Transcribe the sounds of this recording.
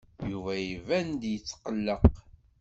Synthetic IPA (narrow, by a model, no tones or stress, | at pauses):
juvæjivænd̪jət͡sːqəlːəq